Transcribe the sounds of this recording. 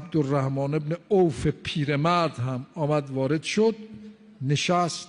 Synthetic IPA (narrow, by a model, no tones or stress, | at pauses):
b̚d̪orːæhmɒːne̞bneowfepʰiːɾe̞mæɾd̪hæmɒːmæd̪vɒːɾe̞d̪̥ʃod̪ | neʃæst̪